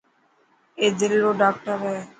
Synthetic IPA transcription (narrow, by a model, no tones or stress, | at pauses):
ed͡ʒelɾoɖak̚ʈaɾɛ